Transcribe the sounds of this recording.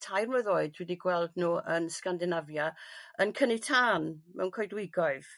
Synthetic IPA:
tʰajrmɛðoːɨdwɛdiɡwɛlˠdnuːʔənskandɪnavjaənkʰənɪtʰaːnmɛ̰wnkʰɔjdwɪɡɔɨð̥

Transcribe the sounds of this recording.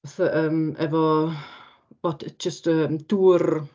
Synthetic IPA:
aθaʔəːmɛvɔ | boːdd͡ʒəstəmd̥uːr

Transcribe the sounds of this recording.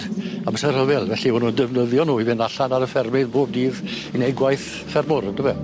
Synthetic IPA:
aməsɛr̥həvɛlˠvɛɬiʊnundəvnəðjɔnuːivɪnaɬanaɾəfɛrmɪðboːb̚diːð | inejɡwajθ | fɛrmʊɾndəvɛ

